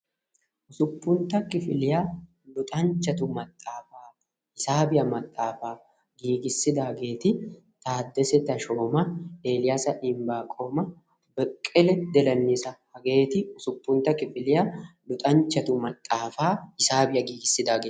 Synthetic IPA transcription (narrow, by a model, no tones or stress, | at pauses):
ʔʊsʊpːʊnt̪ɐkɪfɪlɪjaː | lʊt̪ʼɐnt͡ʃːɐt̪ʊmɐt̪ʼːaːfaː | ɪsaːbɪjɐmɐt̪ʼːaːfaː | ɡiːɡɪsːɪd̪aːɡeːt̪ɪ | t̪aːd̪ːɛsɛt̪ɐʃoːmɐeːlɪjaːsɐʔɪmbaːkʼoːmɐ | bɛkʼːɛlɛd̪ɛlɐnːisɐhɐɡe̞ːt̪ɪʊsʊpːʊnt̪ɐkɪfɪlɪjalʊt̪ʼɐnt͡ʃːɐt̪ʊmɐt̪ʼːaːfaːɪsaːbɪjɐɡiːɡɪsːɪd̪aːɡeː